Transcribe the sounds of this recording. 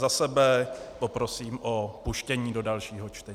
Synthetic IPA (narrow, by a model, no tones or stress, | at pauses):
zasɛbɛpo̞pɾo̞siːmʔopuʃcɛɲiːdo̞dalʃiːɦo̞t͡ʃt̪ɛ